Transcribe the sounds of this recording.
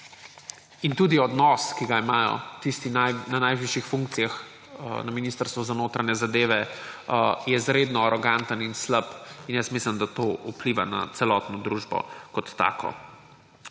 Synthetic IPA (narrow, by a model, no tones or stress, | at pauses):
int̪ud̪iɔd̪nɔskiɡaimaːjɔ̰t̪ist̪inananajʋiʃixfuŋk̚t̪sijax | naminist̪əɾst̪ʋuzanoːt̪ɾanɛzad̪eːʋɛ | jɛzɾed̪nɔaɾɔɡant̪əninsləpinjəsmisləmd̪at̪oʔupliʋana̰t̪sɛlɔt̪nɔd̪ɾuʒbɔ̰kɔt̪ːa̰ːkʰɔ̰